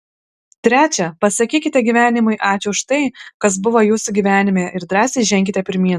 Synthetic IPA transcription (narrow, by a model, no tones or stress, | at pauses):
t̪ʲɾʲæːt͡ʃʲɛpɐsɐkʲiːkʲɪt̪ʲɛɡʲiʋʲæːnʲɪmʊɪʔɑːt͡ʃʲʊʊʃt̪ɐɪkɐs̬bʊʋɐjuːsʊɡʲiːʋʲæːnʲɪmʲeːɪɾd̪ɾɑːsʲeʒʲɛŋʲkʲɪt̪ʲɛpʲɪɾʲmʲiː